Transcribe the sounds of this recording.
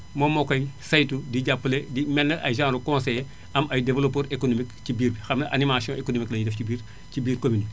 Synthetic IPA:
momokɐjsɐjtudiɟapːledimɛnːɐʔa̰jʒãːɾukõnsej | ɐmɐjdevelopoːɾekonomikcibiːɾbixɐmnɐʔa̰nimasiõʔekonomiklɐjidɛfcibiːɾ | cibiːɾkomini

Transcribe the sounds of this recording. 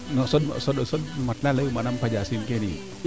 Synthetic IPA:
nɔsɔt̚ɔ̰sotəsot̚mat̪̚laləwmanampʰad͡ʒasinkenḭ

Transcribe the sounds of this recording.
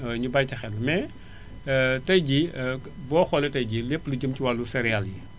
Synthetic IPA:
ɲubajtɐxɛlːmɛ | tɐjɟibɔːxɔlɛtɐjɟilepːəliɟumciwalːusɛɾialji

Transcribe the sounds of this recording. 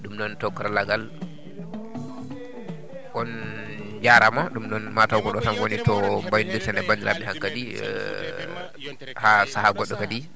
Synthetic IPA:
ɗumɗɔntɔkːɔɾalaɡal | ʔɔn | d͡ʒaɾamaɗumɗɔnmatawɡɔɗɔtamwonitɔmbajndiɾtɛndɛbandiɾʔa̰ɗɛhaŋkːadḭ | hasahaɡɔɗːɔkadi

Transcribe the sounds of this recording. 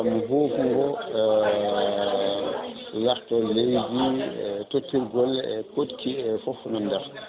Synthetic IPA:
muɦoːfuŋɡɔ | laxtɔlewd͡ʒitotːiɾɡɔlɛ̰kotkʰiɛfɔfnandaɾ

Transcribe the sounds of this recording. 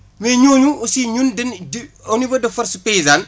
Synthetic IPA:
mɛɲoːɲuusiɲundɛndɔnibɐdɐfɐɾsupɛjzaːn

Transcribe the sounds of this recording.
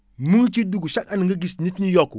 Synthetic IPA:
muŋt͡ʃiduɡuʃakaniŋɡəɡisnitnijɔkːu

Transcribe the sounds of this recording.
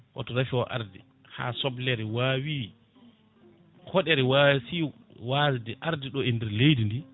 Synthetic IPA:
wʔa̰tɔɾafiɔʔa̰ɾdḭ | ha̰sɔblɛɾɛwaːwi | kʰɔɗɛɾɛwawsi | wazdɛʔaɾdiɗɔɛndɛɾlejdindi

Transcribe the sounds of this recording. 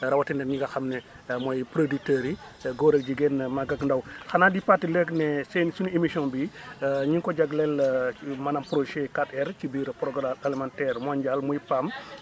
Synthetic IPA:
ɾawatɛndɛɲiŋɡɐxamnɛ | mɔjpɾoditəɾi | ɡoːɾək̚ɟiɡɛnmaɡakndawxanaːdipatːilɛknɛsɛnsunemisɔ̃nbiɲiŋkɔɟaɡlɛlmanampɾoʃɛkatɛɾt͡ʃibiːɾpɾɔɡalimantɛɾmɔɲɟalmujipam

